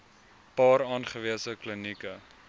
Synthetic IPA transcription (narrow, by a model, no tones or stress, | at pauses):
pɑːɾɑːnχəviəsəklənikə